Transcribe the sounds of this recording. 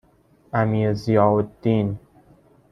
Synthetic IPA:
ʔæmiːezijɒːod̪ːiːn

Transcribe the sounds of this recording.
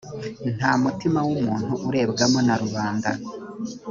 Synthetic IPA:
n̥haːmutimawumuːn̥huʔuɾe̞ːbɡamonaɾuβaːnda̰

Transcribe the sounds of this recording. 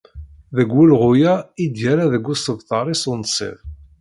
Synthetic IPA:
ðəɡːulʁʊjæid̪jæɾaðəɡːusəvθɑɾˤisunsˤḭð

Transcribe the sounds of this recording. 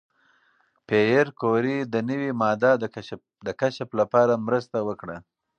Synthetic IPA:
pejeɾkoɾid̪ənəwimɑd̪ɑ | d̪əkaʃaplapɑɾamɾəst̪awəkɽa

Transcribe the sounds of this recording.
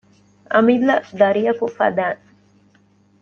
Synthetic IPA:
ʔɐmilːɐd̪ɐɾijɐkufɐ̰d̪æːŋ

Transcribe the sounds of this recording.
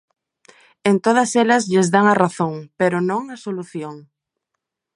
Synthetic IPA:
ent̪oð̞ɐsɛlɐzʎɪzðaŋɐraθoŋpeɾʊnõŋɐsoluθjoŋ

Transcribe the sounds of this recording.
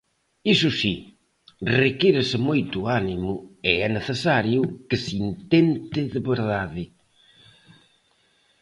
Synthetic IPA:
isʊsi | rekiɾɪsɪmojt̪ʊanimʊɪɛneθesaɾjʊkɪsint̪ent̪ɪðɪβeɾðaðɪ

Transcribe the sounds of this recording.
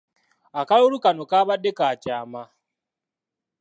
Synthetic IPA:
akauɾukanokaβadekaːcaːma

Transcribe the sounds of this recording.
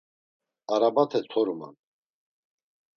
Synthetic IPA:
aɾabat̪ʰɛt̪ʰɔɾuma̰n

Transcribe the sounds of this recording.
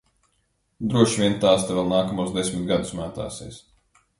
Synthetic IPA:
d̪ɾuɔʃʋʲiɛnt̪aːst̪ɛvɛlˠnaːkamuɔsd̪esʲmʲit̪̚ɡad̪u̥smaːt̪a̰ːsḭːs

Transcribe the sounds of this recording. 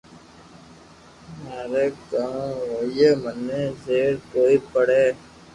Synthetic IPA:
maːɾeːkãɦoːjeːmənːeːzeːɾkoːiːpəɽeː

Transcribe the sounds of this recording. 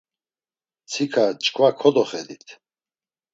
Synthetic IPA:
t͡sʰikʰat͡ʃʼkʰvakʰɔd̪ɔχɛd̪it̪ʰ

